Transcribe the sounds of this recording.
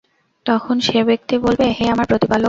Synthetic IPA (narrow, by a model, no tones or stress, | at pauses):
t̪ɔkʰonʃebek̚t̪ibolbeɦeamaɾpɾot̪ipalo